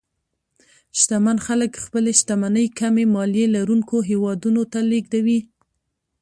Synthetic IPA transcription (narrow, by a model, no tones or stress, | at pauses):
ʃt̪amanxaləkxpəleʃt̪amanəjkamemɑljelaɾuŋkoɦewɑd̪unot̪aleɡd̪awi